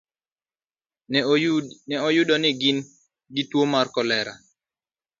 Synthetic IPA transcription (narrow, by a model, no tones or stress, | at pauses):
nɛɔjʊdɔnɪɡɪn | ɡɪtwomarkɔlɛɾa̰